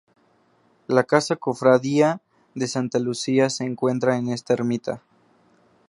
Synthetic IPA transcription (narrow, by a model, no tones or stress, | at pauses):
lakasako̞fɾaðia | ðesant̪alusiase̞ːŋkwe̞nt̪ɾaene̞st̪aeɾmit̪a